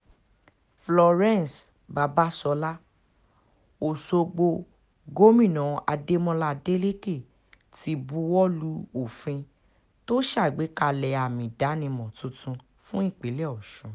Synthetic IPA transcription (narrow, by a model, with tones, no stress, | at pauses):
flɔ˧ɾɛ̃˦n˨s | ba˨˧ba˦sɔ˧la˦ | o˨so˧ɡ͡bo˧ | ɡo˦mĩ˦˨nɔ̃˨a˧de˦mɔ̃˦la˧de˦le˦ke˦˨ | ti˧˦bu˧˦wɔ˦lu˧˦o˨fĩ˧ | to˦ʃa˦˨ɡ͡be˨˦ka˧lɛ˧a˨mĩ˨da˨˦nĩ˧mɔ̃˨tũ˧˦tũ˧ | fũ˦i˦˨k͡pe˨˦lɛ˦ɔ˨ʃũ˨˦